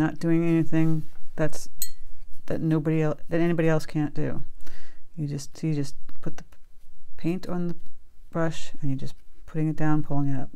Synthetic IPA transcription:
nət̚d̥ʉɪ̃ŋɛniθɪ̃ŋðæts | ðɨ̰tⁿnoʊbɨɾiɛlˠðɨɾɛnibɑɾiɛlˠskʰæ̃nd̥ʉ̰ | jɨd͡ʒʌstɨd͡ʒʌspʰʊt̪̚ðəpʰẽɪ̃ntn̩ðəb̥ɹʌʃɨ̃njɨd͡ʒʌspʰʊɾɪ̃ŋɨt̚d̥ãʊ̃npʰʊlˠɪ̃ŋɨɾʌ̰p̚

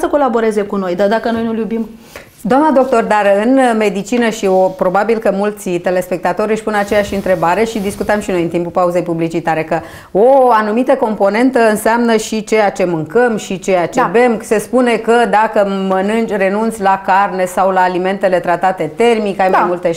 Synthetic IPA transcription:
səko̞labo̞ɾe̞ze̞kuno̞jd̪ard̪akəno̞jnuljubim | d̪oamnəd̪o̞k̚t̪o̞rd̪arɨnme̞d̪it͡ʃinəʃiopɾo̞babilkəmult̪sit̪e̞le̞spe̞k̚t̪at̪o̞ɾʲɨʃʲpunat͡ʃe̞jaʃɨnt̪ɾe̞baɾe̞ʃid̪iskut̪əmʃino̞jɨnt̪impupauze̞jpublit͡ʃit̪aɾe̞kə | oanumit̪əko̞mpo̞ne̞nt̪əɨnseamnəʃit͡ʃe̞jat͡ʃe̞mɨŋkəmʃit͡ʃe̞jat͡ʃebe̞mse̞spune̞kəd̪akəmənɨnt͡ʃre̞nunt̪sʲlakarne̞sawlaːlime̞nt̪e̞le̞t̪ɾat̪at̪e̞t̪e̞rmikajmaajmult̪e

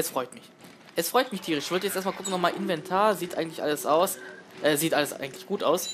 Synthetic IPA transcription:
ʔɛsfʁ̥ɔʏtmɪç | ʔɛsfʁ̥ɔʏtmɪçtʰiːʁ̞ɪɪçv̥ɔldəjɛt͡steːɐtmakʊkŋ̩nɔχmaːlʔɪnvɛntʰaːɐziːtʔa̰ɪŋ̩tlɪçʔa̰ləsʔaʊsʔɛːziːtʔaləsʔa̰ɪɡŋ̩tlɪçɡ̥uːtaʊs

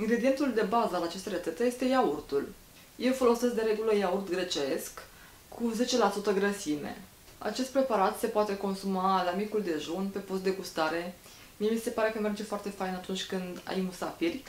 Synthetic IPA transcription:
ɨŋɡɾe̞d̪ie̞nt̪uld̪e̞bazəalat͡ʃest̪eɾət̪set̪eje̞st̪e̞jaurt̪ul | je̞wfo̞lo̞ses̬k̚d̪e̞ɾe̞ɡuləjaurt̪ɡɾe̞t͡ʃe̞sk | kʰːuze̞t͡ʃe̞lasut̪əɡɾəsime̞̰ | a̰t͡ʃe̞st̪pɾe̞paɾat̪se̞poat̪e̞ko̞nsumalamikuld̪e̞ʒunpe̞pust̪d̪e̞ɡust̪aɾe̞ | mie̞mise̞paɾe̞kəme̞rd͡ʒe̞foart̪e̞fajnat̪unt͡ʃʲkɨnd̪a̰jmusafirʲ

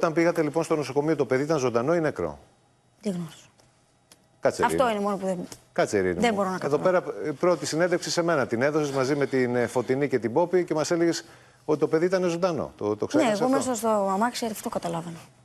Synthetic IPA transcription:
ot̪ɐmbiɣɐt̪e̞lipo̞nst̪onoso̞ko̞miot̪ope̞ðiit̪ɐnzo̞nd̪ɐno̞inekɾo̰ | d̪iɣnos | kɐt͡seɐfɾḭo̞inemo̞nopuðe | kɐt͡seɾḭnðebo̞ɾonɐkɐðope̞ɾɐpɾo̞t̪isined̪efksise̞me̞nɐt̪ine̞ðo̞sezmɐzime̞t̪info̞t̪inice̞t̪ibo̞pice̞mɐse̞leɣes | ot̪it̪o̞pe̞ðiit̪ɐne̞zo̞nd̪ɐno̞̰t̪ot̪oksneeːsomesɐst̪omɐksɐt̪iɐft̪ookɐt̪ɐlɐvene

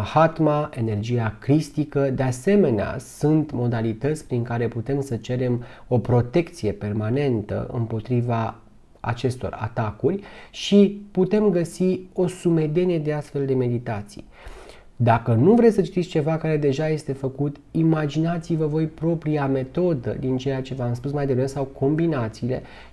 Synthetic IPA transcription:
hat̪mae̞ne̞rd͡ʒijakɾist̪ikəd̪e̞ase̞me̞nea̰sunt̪mo̞d̪alit̪ət̪sʲpɾiŋkaɾe̞put̪e̞msət͡ʃe̞ɾe̞mo̞pɾo̞t̪e̞kt̪sije̞pe̞rmane̞nt̪ə̰ʔɨ̰mpo̞t̪ɾiva | a̰t͡ʃe̞st̪o̞̰ra̰t̪akurʲʃiput̪e̞mɡəsio̞sume̞d̪e̞ne̞d̪e̞ast̪fe̞ld̪e̞me̞d̪it̪at̪sḭj | d̪akənuvɾe̞sət͡ʃi̥t̪it̪sʲt͡ʃe̞vakaɾe̞d̪e̞ʒaje̞st̪e̞fəkut̪imad͡ʒinat̪sivəvo̞jpɾo̞pɾiame̞t̪o̞d̪ə̰d̪int͡ʃe̞jat͡ʃe̞vəamspusmajd̪evɾesawkʰo̞mbinat̪siːle̞̰

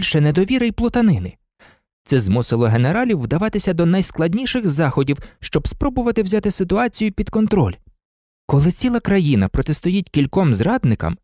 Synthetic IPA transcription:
lʲʃɛned̪ɔʋʲiɾɐjplˠɔt̪ɐnɪnɪ | t̪sɛzmʊsɪlˠɔɦeneɾɑlʲiwːd̪ɐʋɑt̪ɪsʲɐd̪ɔnɐjsklˠɐdʲnʲiʃɪxzɑxɔdʲiwʃt͡ʃɔbspɾɔbʊʋɐt̪ɪwzʲat̪ɪsɪt̪ʊɑt͡sʲijʊpʲid̪kɔnt̪ɾɔlʲ | kɔlˠɪt͡sʲilˠɐkɾɐjinɐpɾɔt̪est̪ʊjitʲkʲilʲkɔmzrɑd̪nɪkɐ̰m

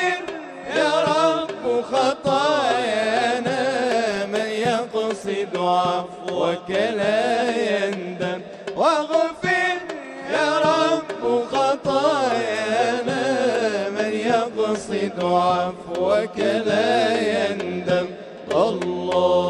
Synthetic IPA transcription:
ɾ | jɑɾˤɑbːxɑt̪ˤɑːjʔanamanjafɑsˤɨd̪ʕafwakalajand̪am | waɣfɪɾ | jaɾˤbːʊxɑt̪ˤɑːjaʔna | manjafɑsˤɨd̪ʕafwakalajand̪am | ɑ

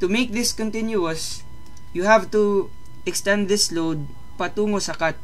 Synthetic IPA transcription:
t̪umeɪk̚ðɪskɔ̃nt̪ɪ̃njuɐs | juhavt̪u | ʔɛkst̪ɛ̃nd̪ðɪslowd̪̚ | pɐt̪uːŋosakat̪̚

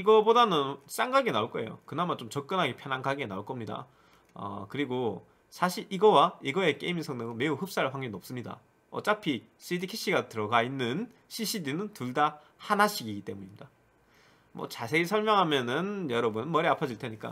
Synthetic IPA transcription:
iɡʌbodanɯns͈aŋɡaɡe̞nauɭk͈ʌe̞̰jo̰kɯnamant͡ɕ͈omt͡ɕʌk̚k͈ɯnɦaɡe̞pʰjʌnaŋɡʰaɡena̰uɭk͈ʌmɲida̰ | ʌ̰kɯɾiɡo | sʰaɕʰiɭʔiɡʌwaiɡʌe̞k͈e̞imisʰʌŋnɯɡome̞uɸɯp̚s͈aɭɸwaŋɡenʌp̚s͈ɯmɲida̰ | ʌt͡ɕ͈apʰis͈idikʰiɕʰiɡatɯɾʌɡainːɯn | ɕʰiɕ͈ʰidinɯntuɭda | hanaɕʰiɡiɡit͈e̞muɲimɲida | mwʌ̰t͡ɕasʰe̞ɡisʰʌɭmjʌŋɦamjʌnɯnjʌɾʌbunɯnmʌɾiapʰʌd͡ʑiɭtʰe̞ɲik͈a̰

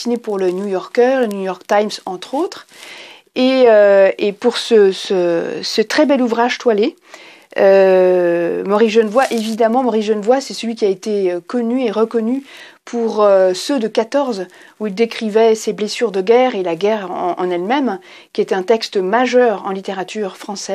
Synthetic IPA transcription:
inepuʁlənjujɔʁkœʁlənjujɔʁk̚t̪ajmsɑ̃t̪χot̪χ | eøepuʁsəsəsət̪χɛbɛluvʁaʒt̪wale | ø | mɔʁisʒənvwaʔevid̪amɑ̃mɔʁisʒənvwasɛsəlɥikʲiaet̪eøkɔnyeʁəkɔnypʰuʁøsød̪əkat̪ɔʁz | uild̪ekχivɛseblesyʁd̪əɡʲɛʁelaɡɛʁʔɑ̰̃nɛlmɛm | kʲiet̪ɛt̪ɛ̃t̪ɛkst̪maʒœʁɑ̃lit̪eʁat̪yʁfχɑ̃sɛ

